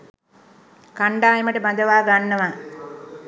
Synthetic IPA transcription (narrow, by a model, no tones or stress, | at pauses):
kaɳɖaːjeməʈəband̪əʋaːɡanːəʋa